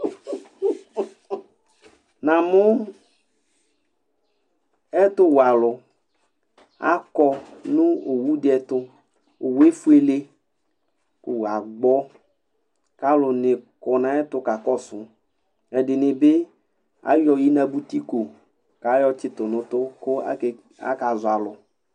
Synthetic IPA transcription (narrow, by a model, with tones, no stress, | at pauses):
nã˨mʊ˦ | ɛ˦t̪ʊ˦wa˨lʊ˨ | a̰˦kɔ˦nʊ̃˦o˨wu˦dɛ˨t̪ʊ˦ | o˨we˦fu˦e˦le˦ | kʊ˦wa˨ɡ͡bɔ˦ | ka˦lʊ˨nɪ˨kɔ˨nã˨ɛ˦tʊ˦ka˨kɔ˦sʊ˨ | ɛ˨dɪ˨nɪ˨bɪ˦ | a̰˨˦jɔ˨ji˦na˨bu˦ti˦ko˨ | ka˨˦jɔ˦t͡ʃɪ˨tʊ˨nʊ̃˨˦tʊ˦kʊ˦a̰˦˨ | a̰˦ka˨zʊ˨a˨lʊ˨